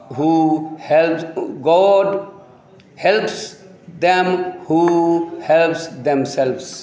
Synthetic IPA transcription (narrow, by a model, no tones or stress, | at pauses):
ɦuhɛlpɡɔːɖ | hɛlps | d̪ɛ̃mhuːhɛlpsd̪ɛ̃msɛlʋs